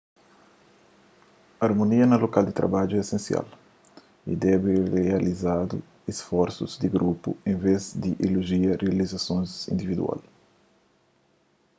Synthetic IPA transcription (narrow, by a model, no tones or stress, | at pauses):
aɾmoniɐnɐlokald̪it̪ɾa̰bad͡ʒuɛesẽnsja̰l | ḭd̪ɛbirealizad̪ṵ | esfɔɾsuzd̪iɡɾupṵẽnvezd̪iʔiluʒiɐrializasõnzḭ̃nd̪ivid̪ṵa̰l